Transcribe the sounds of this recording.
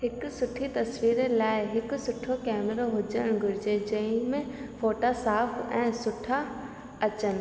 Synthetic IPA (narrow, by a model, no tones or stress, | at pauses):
ɦɪksʊʈʰit̪ɐsʋiːɾelaːɪɦɪksʊʈʰokɛːməɾoɦʊd͡ʒəɽ̃ɡʱʊɾd͡ʒed͡ʒə̃ĩmẽfoːʈasaːpʰɛ̃ːsʊʈʰa | ɐt͡ʃən